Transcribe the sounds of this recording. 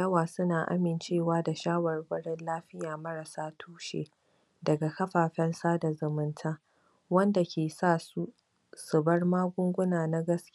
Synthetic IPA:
jɐ˦waː˨sʊ˦naː˨ʔa̰˦mɪ˨nt͡ʃeː˦˨waː˦da˨ʃaː˦wɐ˨rbɐ˦ɽɪ˦nlaː˦ɸɪ˦jaː˨mɐ˦ɾa˨saː˦tʰuː˦ʃḛ˨ | dɐ˨ɡa˨kɐ˦ɸaː˨ɸɛ˦nsaː˦da˨zʊ˨mʊ˦ntʰaː˦ | wɐ˦nda˨kʲʰeː˨saː˦˨su˦ | sʊ˨bɐ˦rmaː˦ɡʷʊ˦ŋɡʷʊ˦naː˨na˦ɡɐ˦skʲ

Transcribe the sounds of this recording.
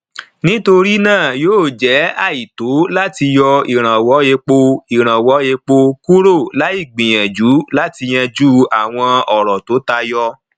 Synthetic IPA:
nĩ˦to˧ɾi˦nãː˦˨joː˦˨d͡ʒɛ˨˦a˦˨i˨to˨˦la˦ti˧jɔ˧i˨ɾ̃ã˨wɔ˨˦je˧k͡po˧i˨ɾ̃ã˨wɔ˨˦je˧k͡po˧ku˦ɾo˦˨la˨˦i˦˨ɡ͡bĩ˨j̃ɛ̃˨d͡ʒu˨˦la˦ti˧j̃ɛ̃˧d͡ʒu˦a˨w̃ɔ̃˧ɔ˨ɾɔ˨to˨˦ta˧jɔ˧

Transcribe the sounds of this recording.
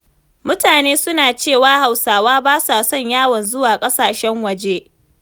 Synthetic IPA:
mʊ˦taː˨neː˦sʊ˦naː˨t͡ʃeː˦˨waː˦ha˨wsaː˨waː˦baː˦sa˨sɔ˦˨ɲjaː˦wɐ˨nzʊ˦waː˨kʼɐ˦saː˨ʃɛ˦ŋwɐ˨d͡ʒe˦

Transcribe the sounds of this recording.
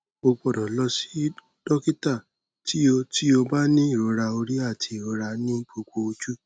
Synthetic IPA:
o˧ɡ͡bɔ˨ɾɔ̃˨lɔ˧si̥˦ | d̥ɔ˦ki˦ta˦˨ | ti˦o˧ti˦o˧ba˦nĩ˦i˦˨ɾo˨˧˦ɾa˧o˧ɾi˦a˦˨tʰi˧i˨ɾo˨˦ɾa˧nĩ˦˨k͡po˧k͡po˧o˧d͡ʒu˦

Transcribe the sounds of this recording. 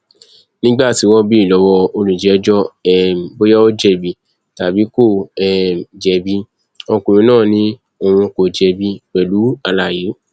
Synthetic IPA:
nĩ˦ɡ͡ba˦˨ti˨˦wɔ˦bi˦i˦˨lɔ˨˧˦wɔ˧o˧lũ˨d͡ʒɛ˨˦d͡ʒɔ˦ɛ˨bo˦ja˦o˦d͡ʒɛ˦˨bi˧˨ | ta˨bi˨˦ko˦˨ɛ˨d͡ʒɛ˨˦bi˦ | ɔ˧ku˨ɾĩ˨˧˦nãː˦˨nĩ˦ | o˨w̃ũ˧ko˨d͡ʒɛ˨˧bi˧k͡pɛ˨lu˨˦a˧la˨je˨˦

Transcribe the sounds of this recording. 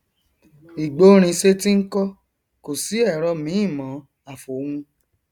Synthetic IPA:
i˨ɡ͡bo˨˦ɾ̃ĩ˧ʃe˦ti˦ŋ̩˦kɔ˦ | ko˨si˨˦ɛ˦˨ɾɔ˧mĩ˨˦ĩ˦˨mɔ̃˨˦ | a˨fo˨˦hũ˧

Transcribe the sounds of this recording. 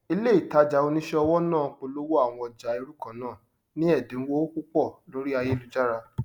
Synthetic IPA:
i˧le˦i˦˨ta˨˧˦d͡ʒa˨o˧nĩ˦ʃɛ˦ɔ˧wɔ˦nãː˦˨k͡po˧lo˦wo˦a˦˨w̃ɔ̃˧ɔ˧˨d͡ʒa˨e˧ɾu˦kã˨˦nãː˦˨ | nĩ˦ɛ˦˨dẽ˨˦wo˦o˦ku˦k͡pɔ˦˨lo˨˦ɾi˦a˧je˦lu˦d͡ʒa˦ɾa˧

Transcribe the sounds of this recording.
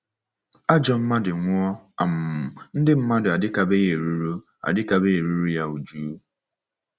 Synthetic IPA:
a˦d͡ʒɔ˨m̩˦ma˦dɪ˨ŋʷ˦ɔ˦a˨m̩˨n̩˦dɪ˦m̩˦ma˦dɪ˨a˨dɪ˦ka˨be˦je˨ɾu˦ɾu˦ | a̰˨dɪ˦ka˦be˦e˨ɾu˦ɾu˦ja˦u˨d͡ʒuː˦

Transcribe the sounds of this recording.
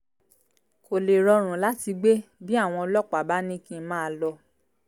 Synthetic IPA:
ko˨le˨ɾɔ˧ɾ̃ũ˨la˨˦ti˧ɡ͡be˦bi˦a˦˨w̃ɔ̃˧lɔ˦˨k͡pa˨ba˦nĩ˦kĩ˧mãː˦˧lɔ˧

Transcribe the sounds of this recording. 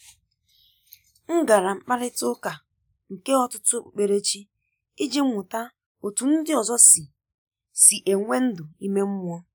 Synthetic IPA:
ŋ̩˦ɡa˨ɾa˨ŋ͡m̩˨k͡pa˦ɾɪ˦tʊ˦ka˨ | ŋ̩˨ke˦ɔ˦tʊ˦tʊ˦k͡pe˨ɾe˦t͡ʃi˦ | i˦d͡ʒi˦ŋʷʊ˨ta˦ | o˨tu˨n̩˦dɪ˦ɔ˨zɔ˦sɪ˨ | si˨ʔe˨ŋʷe˦n̩˦dʊ˨i˦me˦m̩˦m˦ɔ˦

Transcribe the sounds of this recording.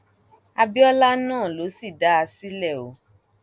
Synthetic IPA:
a˧bi˦ɔ˦la˦nãː˦˨lo˨˦si˦˨da˨˦a˧si˦lɛ˦˨o˨˦

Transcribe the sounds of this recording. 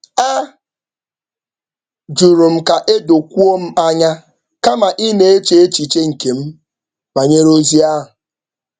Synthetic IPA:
a˦ | d͡ʒu˨ɾu˨m̩˦ka˨ʔe˦do˨kʷu˦o˦m̩˦a˦ɲa˦ | ka˦ma˨ʔi˦ne˨e˦t͡ʃe˦e˦t͡ʃi˨t͡ʃe˦ŋ̩˨ke˨m̩˦ | ma˨ɲe˦ɾo˦zi˦a˦ɦʊ˨

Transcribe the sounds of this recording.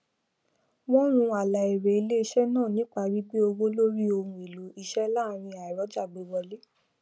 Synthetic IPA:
w̃ɔ̃˦ɾ̃ũ˧a˨la˨i˨ɾe˨i˧˦le˦i˧˦ʃɛ˦nãː˦˨nĩ˨˦k͡pa˧wi˦ɡ͡be˦o˧ɡo˦lo˦ɾi˦o˧hũ˧e˨lo˨˦i˦˧ʃɛ˦la˦˨˦ɾ̃ĩ˧a˨i˨ɾɔ˨˦d͡ʒa˦˨ɡ͡be˧wɔ˧le˦

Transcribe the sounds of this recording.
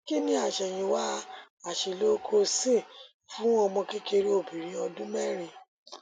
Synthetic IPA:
ki˦˨nĩ˧˦a˦˨ʃɛ˨j̃ĩ˧wa˦ | a˨ʃe˨lo˦kʰo˧sĩ˦˨ | fũ˦ɔ˧mɔ̃˧ke˦ke˧ɾi˦o˦˨bi˨ɾ̃ĩ˧ɔ˧dũ˦mɛ˦˨ɾ̃ĩ˧˨

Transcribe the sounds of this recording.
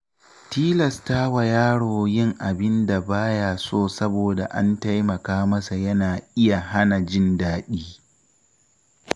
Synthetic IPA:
tiː˦lɐ˨staː˦wa˨jaː˦ɽoː˨jɪ˦ŋʔa˨bɪ˦nda˨baː˦jaː˦˨soː˦˨sɐ˦boː˨da˨ʔa̰˦nta˦jmɐ˨kaː˦mɐ˦sa˨jɐ˦naː˨ʔɪ˦ja˨ɦa˦na˨d͡ʒɪ˦ndaː˦ɗiː˦

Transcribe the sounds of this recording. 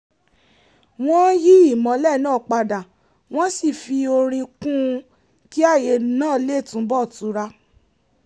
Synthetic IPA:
w̃ɔ̃˦ji˦i˦˨mɔ̃˨˦lɛ˦˨nãː˦˨k͡pa˧da˨ | w̃ɔ̃˦si˦˨fi˧o˧ɾ̃ĩ˧kũ˦˧ | ki˦a˦˨je˧nãː˦˨˦le˦˨tũ˨˦bɔ˦˨tu˨˦ɾa˧

